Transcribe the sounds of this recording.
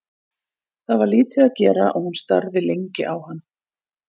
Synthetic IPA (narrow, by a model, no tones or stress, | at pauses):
θaðvaɾliːt̪ʰɪðaðcɛːɾa̰ʔɔɣhunst̪aɾðɪlejɲcɪʔawhanː